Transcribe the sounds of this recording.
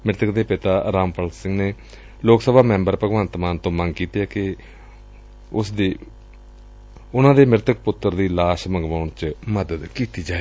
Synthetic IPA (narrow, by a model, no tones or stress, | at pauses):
mɪɾt̪əkd̪eːpɪt̪aːɾaːmpəlsɪ̃ŋɡneː | loːksəbaːmɛ̃ːmbəɾpəɡʋãːnt̪maːnt̪õːmə̃ŋɡkiːt̪eːɛːkɪ | ʊsd̪iː | ʊnãːd̪eːmɪɾt̪ək̚pʊt̪ːəɾd̪iːlaːʃməŋɡʋaːɳt͡ʃməd̪əd̪kiːt̪iːd͡ʒaːeː